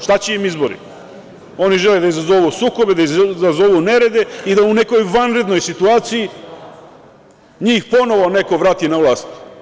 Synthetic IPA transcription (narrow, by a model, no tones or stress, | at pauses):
ʃt̪at͡ɕeimizbo̞ɾḭ | o̞niʒeled̪aizazo̞ʋuːsuːko̞be̞d̪aizazo̞ʋune̞ɾe̞d̪e̞id̪aune̞ko̞jʋanɾe̞d̪no̞jsit̪uaːt̪siji | ɲiːxpo̞no̞ʋo̞ne̞ko̞ʋɾaːt̪inaʋlˠaːst̪